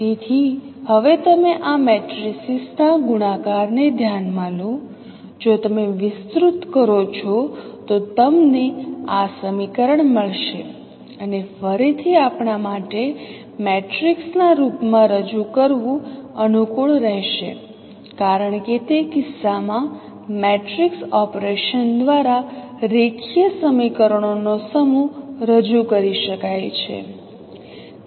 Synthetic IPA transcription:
t̪et̪ʰihəʋet̪əmeʔamɛʈɾisisnaɡuɽ̃akaɾned̪ʱjanmalo | d͡ʒot̪əmeʋɪst̪ɾut̪kəɾot͡ʃʰot̪ot̪əmneasəmikəɾəɳməɭʃe | ənefəɾit̪ʰiapɳamaʈe | meʈɾiksnaɾupmãɾəd͡ʒukəɾʋũənukuɭɾəɦʃḛ | kaɾəɳket̪ekɪsːamã | meʈɾiksɔpɾeʃənd̪ʋaɾaɾekʰijəsəmikəɾəɳ̃onosəmuɾəd͡ʒukəɾiʃəkajt͡ʃʰḛ

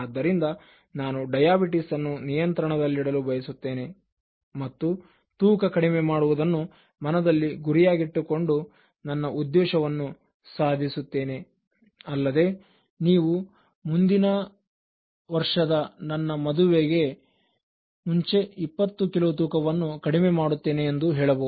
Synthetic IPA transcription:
ad̪ːɐɾind̪ɐ | naːnuɖɐjaːbiʈisɐnːunijɐnt̪ɾɐɳɐd̪ɐlːiɽɐlubɐjɐsut̪ːe̞ːne̞ | mɐt̪ːu | t̪uːkɐkɐɽimemaːɽuʋud̪ɐnːu | mɐnɐd̪ɐlːiɡuɾijaːɡiʈːuko̞ɳɖu | nɐnːɐʔud̪ːɛːʂɐʋɐnːu | saːd̪ʱisut̪ːe̞ːne̞ | ɐlːɐd̪e̞ | niːʋu | mund̪inɐ | ʋɐɾʂɐd̪ɐnɐnːɐmɐd̪uʋeɡe̞ | muɲt͡ʃe̞ipːɐt̪ːukilot̪̬uːkɐʋɐnːukɐɽimemaːɽut̪ːe̞ːneːnd̪uɦɛːɭɐboː

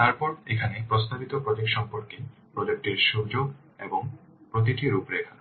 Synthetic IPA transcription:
t̪aɾpɔɾekʰanepɾost̪abit̪opɾod͡ʑekʃɔmpoɾkepɾod͡ʑek̚ʈeɾʃud͡ʑoɡ | eboŋ | pɾot̪̬iʈiɾupɾekʰa

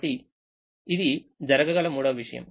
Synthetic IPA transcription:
ʈi | id̪id͡ʒɐɾɐɡɐɡɐlɐmuːɽɐʋʋiʂɐjɐ̰m

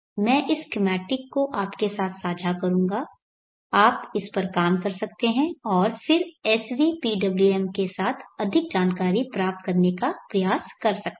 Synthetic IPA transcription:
mɛ̃ːʔɪskɪmɛːʈɪkːoʔaːpkesaːt̪ʰsaːd͡ʒʱakɐɾũːŋɡa | aːpɪspɐɾkaːmkɐɾsɐkt̪eɦɛ̃ɔːɾfɪɾɛːsʋipiɖɐbluɛmkesaːt̪ʰɐd̪ʱɪk̚d͡ʒaːnkaːɾipɾaːp̚t̪̚kɐɾnekapɾɐjaːskɐɾsɐk̪̚

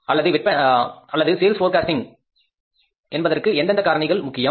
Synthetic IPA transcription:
ɐlːɐðɯʋɪʈ̚pɐɐlːɐðɯseːlsfoːɾkaːsʈɪŋ | ʔɛnbɐðɐrkɯɛnd̪ɐnd̪ɐkaːɾɐɳɐɪɣɐɭmʊkːɪjɐ

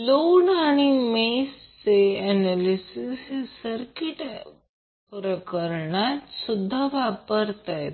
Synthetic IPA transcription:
loɳaɽ̃imest͡seɛnalisissəɾkiʈ | pɾəkəɾɳat̪sud̪ʱːaʋapəɾt̪aj̪

